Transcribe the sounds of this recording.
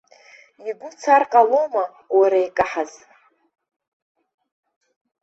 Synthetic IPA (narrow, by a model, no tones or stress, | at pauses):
iɡʷʊt͡sʰarqʼaloma | waɾajkʼaħaz